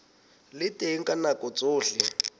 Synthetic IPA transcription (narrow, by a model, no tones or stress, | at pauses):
lɪtʼeŋ̩kʼanakʼɔt͡sʼʊːɬɪ